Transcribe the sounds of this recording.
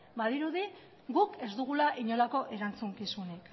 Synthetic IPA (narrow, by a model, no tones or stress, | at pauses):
baðiɾuði | ɡuke̞zd̪uɣ̞ulaʔiɲo̞lako̞ʔe̞ɾant͡suŋkisunek